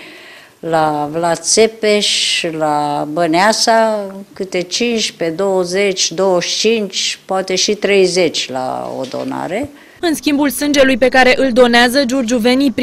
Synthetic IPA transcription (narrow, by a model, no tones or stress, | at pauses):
lavlat̪sepeʃlabəneasakɨt̪e̞t͡ʃint͡ʃʲped̪owəzet͡ʃʲd̪o̞wəʃt͡ʃint͡ʃʲpoat̪e̞ʃit̪ɾe̞jze̞t͡ʃʲla̰o̰d̪o̞̰na̰ɾe | ɨnskʲimbulsɨnd͡ʒe̞lujpe̞kaɾe̞ʔɨld̪o̞neazəd͡ʒurd͡ʒuve̞nipɾ